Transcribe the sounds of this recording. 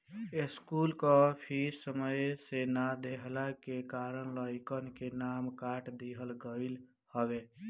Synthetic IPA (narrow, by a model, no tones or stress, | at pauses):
eskulkəpʰiɾsəməjsenad̪eɦlakekaɾənləjkənkenamkaʈd̪iɦəlɡəɪl | həbe